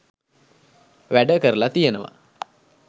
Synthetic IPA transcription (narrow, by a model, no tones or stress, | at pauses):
ʋæɖəkəɾəlat̪ijənəʋa̰